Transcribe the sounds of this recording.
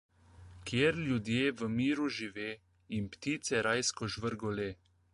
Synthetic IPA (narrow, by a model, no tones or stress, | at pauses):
kjeːɾljud̪jeːʋəmiːɾuʒiʋeː | impt̪iːt̪sɛɾajskɔʒʋəɾɡɔleː